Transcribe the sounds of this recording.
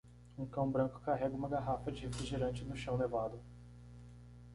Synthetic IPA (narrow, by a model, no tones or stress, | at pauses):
ũkɐ̃w̃bɾɐ̃ŋkʊ̥kaɦɛɡɐũmɐɡaɦafɐd͡ʒɪhefɾiʒiɾɐ̃nt͡ʃɪnʊʃɐ̃w̃levad̪ʊ